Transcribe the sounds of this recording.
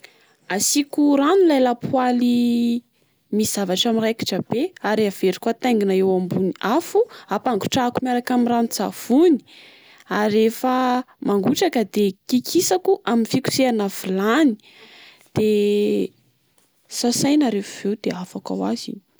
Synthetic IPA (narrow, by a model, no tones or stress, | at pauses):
asikuɾanulajlapwali | miz̥avaʈ͡ʂamirajki̥ʈ͡ʂəb̥eaɾiav̥eɾi̥kwat̪ajŋɡinaewambuniafuapaŋɡu̥ʈ͡ʂakumaɾakamiranzav̥uni̥ | aɾefə | maŋɡuʈ͡ʂakəd̪ekikʰisakuʔaminfiku̥seanav̥ilani̥ | d̪̥e | sasajnaɾefav̥ewd̪eafaka̰wazḭn